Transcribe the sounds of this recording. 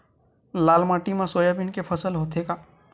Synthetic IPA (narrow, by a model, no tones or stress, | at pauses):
laːlmaːʈimãsoːjabʱɪnkepʰəsəlɦoːt̪ekaː